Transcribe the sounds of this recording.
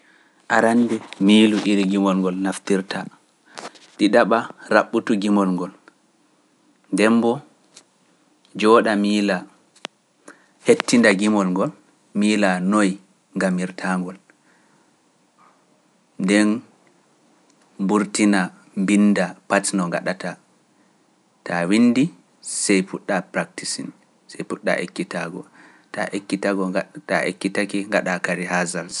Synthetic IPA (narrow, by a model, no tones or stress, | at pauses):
ʔaɾandɛmiːluʔiɾiɡimɔlŋɡɔlnaftiɾtʰa | ɗiɗaɓaɾaɓːutuɡimɔlŋɡɔl | ndɛmbɔ | d͡ʒɔːɗamiːla | hetːindaɡimɔlŋɡɔl | miːlanoj | ŋɡamiɾtʰaŋɡɔl | ndɛn | buɾtina | mbinːdapatnɔŋɡa̰ɗata | tawinːdi | sɛjfuɗːapɾak̚tisin | sɛjpuɗːa̰ʔḛkːitaɡɔ | ta̰ʔekːitaɡɔtaʔḛkːitakiŋɡaɗakaɾihazal